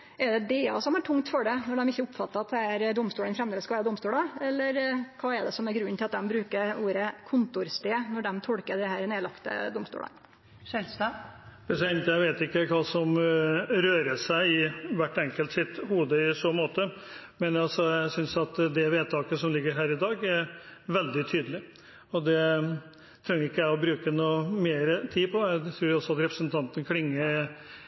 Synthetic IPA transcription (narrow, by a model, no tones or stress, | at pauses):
ʔɛɖɛd̪eːɑ̰sɔmæʈʰʊŋt̪fɔɖɛnɔɖɛmɪçːəʊpːfɑt̪ːəɑt̪̚d̪ɛæɾd̪ɔmst̪uːlənfɾɛmd̪eːləskɑʋæɾəd̪ɔmst̪uːlɑɛlːəɾkʰɑːɛɖ̪ɛsɔmæɾɡɾʉnːnt̪ɪlɑt̪̚d̪ɛmbɾʉːkəɾuːɾəkʰʊnt̪ʊɾst̪eːnɔɖɛmt̪ʰɔɽkəɖɛhæːɾneːlɑkt̪ə̰d̪ʊmst̪ṵːlə̰n | ssb̥ɛsɛnt̪jæɪʋeːt̪ɪkːəkʰɑːsɔmɾøːɾəʂæɪɪʋæʈːɛŋkəlt̪sɪt̪huːd̪əɪsoːmoːt̪ə | mɛnjɑlsɔjæɪsʏnsɑt̪d̪ɛʋeːd̪̚t̪ʰɑːkəsɔmlɪɡːəɾɦæːɾɪd̪ɑːɡɛɾʋɛld̪ɪt̪ʰyːd̪əlɪ | ɔd̪ɛ | t̪ʰɾɛŋːəɾɪkːəjæɪɔbɾʉːkənuːmeːɾət̪ʰiːpʰɔjæɪt̪ʰɾuːɾjɔsɔɑt̪ɾɛpɾəsənt̪ʰɑnt̪ənkʰlɪŋːəɾ